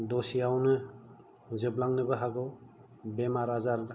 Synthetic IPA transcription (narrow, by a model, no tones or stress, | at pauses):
dɔsijawnɯ | zɯblaŋnɯbɯɦaɡɯw | bemaɾazaɾ